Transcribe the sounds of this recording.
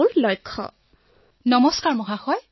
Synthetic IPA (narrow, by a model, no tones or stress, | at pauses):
ɹlɔjkʰːɔ̰ | nɔmɔskaɹmɔɦaxɔj